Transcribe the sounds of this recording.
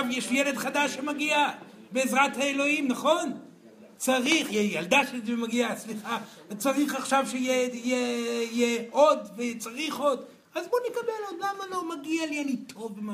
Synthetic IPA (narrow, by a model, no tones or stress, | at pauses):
avjeʃjeled̪χadaʃːemaɡia | beːzʁathaelo̞imnaχo̞n | t͡saʁiχjejald̪aʃetvemaɡiasliχa | t͡saʁiχaχʃavʃeijeijeijeo̞d̪vet͡saʁiχo̞d̪ | azbo̞nekabelod̪lamalo̞maɡialianitʰo̞vːema